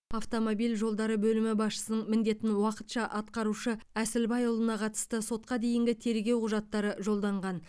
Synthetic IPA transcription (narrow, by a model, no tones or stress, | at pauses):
aft̪o̞mobilʒo̞lˠd̪ɑɾəbɵlɪmɪbɑsʃə̥sənəɴmɪnd̪e̞t̪ɪnwɑqə̥t̪ʃɑʔɑt̪̚qɑɾuʃəæsɪlbɑjʊlˠənɑqʰɑt̪ə̥st̪əso̞t̪̚qɑd̪e̞jɪŋɡʲɪt̪ʰe̞ɾɡʲe̞wqʊʒɑt̪ːɑɾəʒo̞lˠd̪ɑɴʁɑn